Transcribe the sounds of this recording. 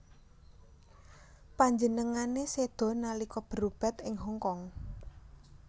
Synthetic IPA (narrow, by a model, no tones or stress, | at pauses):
paɲd͡ʒənəŋanesed̪̥ɔ̤nalikɔb̥ə̤ɾub̥ɛ̤t̪ɪŋɦɔŋkɔŋ